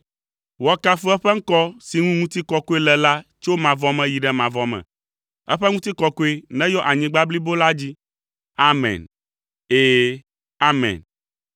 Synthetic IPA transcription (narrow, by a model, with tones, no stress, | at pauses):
wɔ˨ka˦fo˦ɛ˦ɸɛ˦ŋ̩˦kɔ˦si˨ŋũ˦ŋũ˦t̪i˦kɔ˦ko˦e˦lɛ˨la˦t͡ʃo˦mã˨vɔ˦mɛ̃˨ji˨ɖɛ˦mã˨vɔ˨mɛ̰̃˨ | ɛ˦ɸɛ˦ŋũ˦t̪i˦kɔ˦ko˦e˦nɛ̃˦jɔ˦ʔa˨ɲĩ˨ɡ͡ba˦bli˦bo˦la˦d͡ʑi˦ | a˦mɛ̰̃˨n | e˦˨ | a˦mɛ̰̃˨n